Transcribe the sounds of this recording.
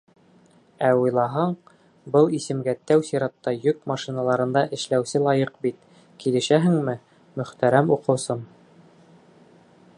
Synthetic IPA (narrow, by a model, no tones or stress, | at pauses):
æujlˠɑɦɑɴ | bɤlˠisɘ̆mɡæt̪æwsiɾɑt̪ːɑjɵk̚mɑʃinɑlˠɑɾɤ̆nd̪ɑʔɘ̆ʃlæwsɘlˠɑjɤqbit̪ | kilɘ̆ʃæɦɘ̆ŋmɘ | mɵ̆χt̪æɾæmuqɤ̆wsɤm